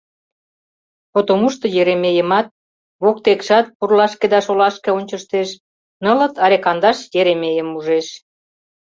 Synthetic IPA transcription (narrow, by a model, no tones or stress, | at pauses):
pot̪omuʃt̪ə̆jeɾemejəmɑt̪̚ | βok̚t̪ekʃɑt̪̚purlɑʃked̪ɑʃolɑʃkeonʲt͡ɕəʃt̪eʃ | nə̆lə̆t̪ɑɾekɑnd̪ɑʃjeɾemejəmuʒeʃ